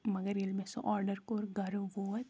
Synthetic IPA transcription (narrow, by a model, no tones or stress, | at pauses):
mɐɡəɾelmesõ̰ʔɔːɾɖəɾkoːɾɡʱɐɾʋoːt̪